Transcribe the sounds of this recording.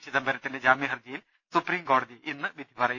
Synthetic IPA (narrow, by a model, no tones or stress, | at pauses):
t͡ɕiðɐmbɐɾɐt̪ːinde̞d͡ʑaːmiɦɐrd͡ʑɐjil | supriːmko̞ːɽɐðiʔinːɨʋid̪ʱipɐrɐj